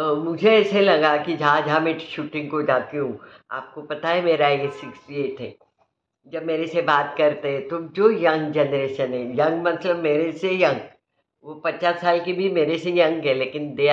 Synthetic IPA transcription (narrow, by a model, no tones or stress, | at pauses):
mʊd͡ʒʱeɛːselɐɡakid͡ʒɦãd͡ʒɦãmɛ̃ʃuːʈɪ̃ŋɡkod͡ʒaːt̪eɦũ | a̰ːp̚kopɐt̪aɦɛmeːɾajesɪksʈieːʈɦɛ̰ː | d͡ʒɐbmeːɾesebaːt̪kɐɾt̪eɦɛ̃t̪od͡ʒoːjɐ̃ŋɡd͡ʒɛːnɾeːʃənɦɛ̃jɐ̃ŋɡmɐt̪ləbmeːɾesejɐ̃ŋɡ | ʋopɐt͡ʃaːsːaːlkibʱimeːɾesejɐ̃ŋɡɦɛleːkɪnd̪eː